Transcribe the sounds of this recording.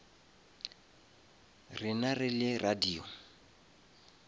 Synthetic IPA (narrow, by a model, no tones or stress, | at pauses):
rɪnarɪlɪrʔadiːɔ